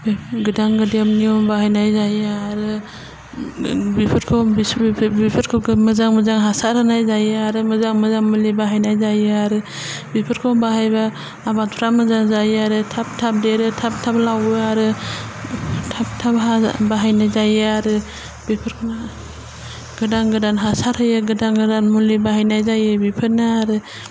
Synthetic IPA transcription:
bɡɯdaŋɡɯdiamniɔmbaɦajnajzajɯaɾɯ | bipʰɯɾkʰɯbbipʰɯɾkʰɯɡmɯzaŋmɯzaŋɦasaɾɯnajzajɯaɾɯmɯzaŋmɯzaŋmɯlibaɦajnajzajɯaɾɯ | bipʰɯɾkʰɯwmbaɦajbaː | bat̚pʰɾamɯzaŋzajaɾɯtʰap̚tʰap̚deɾɯtʰap̚tʰaplawɯaɾɯ | tʰap̚tʰapɦabaɦajnajzajɯaɾɯ | bipʰɯɾkʰɯna | ɡ̥ɯdaŋɡɯdanɦasaɾhɯjɯɡɯdaŋɡɯdanmulibaɦajnajzajɯbipʰɯnaaɾɯ

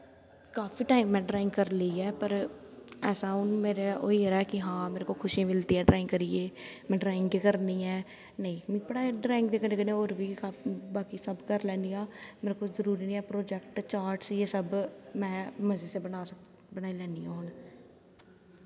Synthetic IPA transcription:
kaːfiːʈaːimːɛ̃ːɖɾaːɪ̃ŋɡkəɾləiːɛːpəɾ | ɛːsaːʊnmeːɾeːoːiːəɾaɛːkɪɦãːmeːɾekoːkʰʊʃẽːmɪlt̪iːɛːɖɾaːɪ̃ŋɡkəɾiːeːmɛ̃ːɖɾaːɪŋɡikəɾniːɛː | nəĩːm̃ːbəɽaːɖɾaːɪ̃ŋɡd̪eːkənẽːkənẽoːɾʋiːkaːbaːkiːsəbkəɾlɛ̃ːniːãːmeːɾekoːzəɾuːɾiːnĩːɛːpɾoːd͡ʒɛkʈt͡ʃaːɾʈsieːsəbmɛ̃ːməziːseːbənaːs | bənaːiːlɛːnijãːɦʊn

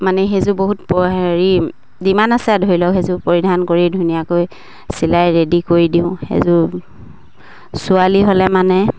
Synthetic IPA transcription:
manɛɦezʊboɦut̚pɔɹi | zimanasɛadʱojlɔɦezʊpoɹidʱankoɹidʱunijakoj | silajɹedikoɹidiʊ̃xḛzʊ | sʊaliɦolɛmanɛ

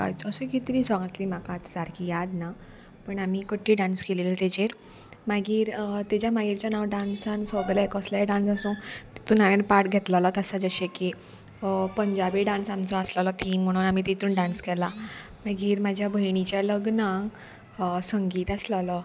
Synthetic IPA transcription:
ka̰jt͡səsukit̪ɾiːsɔ̃ŋat̪limakat̪t͡saɾkijad̪na | pəɳamikəʈʰːiːɖanskelilit̪ed͡ʑeɾ | maɡiːɾt̪at͡ɕjamaɦiɾt͡ɕjanawɖansãnsɔɡlaekɔslaeɖãnsasũt̪i̥t̪ũːnaʋenpaʈɡʱɛt̪ləlɔt̪əsad͡zəɕeki | pəɲd͡ʑabiɖãnsamt͡sɔaslalɔt̪ʰimm̤ːəɽ̃uːnamit̪it̪uːnɖãnskɛla | maɡiːɾmad͡ʑʱjabʱəjɳ̃it͡ɕjaləɡnaŋɡ | səŋɡiːt̪aslalɔ

